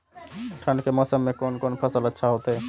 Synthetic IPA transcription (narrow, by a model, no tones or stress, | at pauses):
ʈʰənkemɔsəmːekonkonpʰəsələtːʃʰaɦot̪ɛ